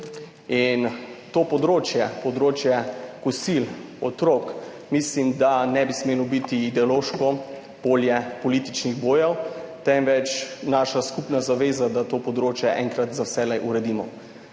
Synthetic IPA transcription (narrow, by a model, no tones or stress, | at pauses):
int̪oːpɔd̪ɾoːt͡ʃjɛpɔd̪ɾoːt͡ʃjɛkusilɔt̪ɾok | mislimd̪anɛbismeːlɔbit̪iːd̪ɛoloːʃkɔ | b̥oːljɛpɔliːt̪it͡ʃniɣboːjɛwt̪ɛmʋɛt͡ʃnaːʃaskupnazaʋeːzad̪at̪oːpɔd̪ɾoːt͡ʃjɛʔɛŋkɾat̪zawsɛlɛjʔuɾɛd̪iːmɔ̰